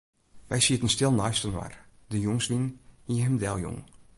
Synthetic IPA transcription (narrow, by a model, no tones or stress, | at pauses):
ʋɛjsiətənstɪlˠnœɥstənʋa̰rdəjoŋsʋinhiəɦəmdɛlˠjo̰ŋ